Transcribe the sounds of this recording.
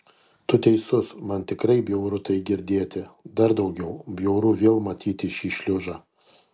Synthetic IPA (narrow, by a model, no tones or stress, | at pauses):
t̪ʊt̪ʲɛɪsʊsmɐnt̪ʲɪkɾɐɪbʲjɛʊɾʊt̪ɐɪɡʲɪɾʲd̪ʲeːt̪ʲɪd̪ɐɾd̪ɐʊɡʲɛʊbʲjɛʊɾuːʋʲeːlˠmɐt̪ʲʰiːt̪ʲɪʃʲiːʃʲlʲʊʒɑː